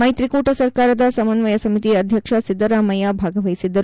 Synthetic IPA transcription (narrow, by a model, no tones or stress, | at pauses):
mɐjt̪ɾikuʈɐsɐɾkaːɾɐd̪ɐsɐmɐnʋɐjɐsɐmit̪iɐd̪ʱjɐkʂɐsid̪ːɐɾaːmɐjabʱaːɡɐʋɐjsid̪ːɐɾu